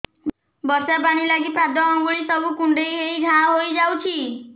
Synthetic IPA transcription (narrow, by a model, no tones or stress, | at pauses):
bɔsapañilaɡipɾad̪ɔːŋɡuɭisɔbʱukuɳɖejɦeiɡʱãɦojd͡ʒawt͡ʃʰi